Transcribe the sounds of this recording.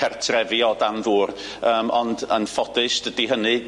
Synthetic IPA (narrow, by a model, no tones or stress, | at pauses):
ɛrtʰrɛvjɔdanðuːr | əːmʔɔndənfɔdɨsd̥ədiɦənɨ